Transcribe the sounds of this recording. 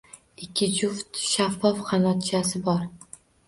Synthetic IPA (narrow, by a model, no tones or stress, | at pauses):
ɪkʲʰːɪd͡ʒʊft̪ʃafːɒfχanɒt̪t͡ʃʰasɪbɒɾ